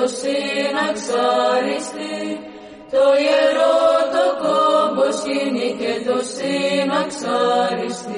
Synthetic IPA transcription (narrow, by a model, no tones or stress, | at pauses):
osinɐksaɾist̪i | t̪ojeɾot̪okoboskiniket̪osinɐksaɾist̪i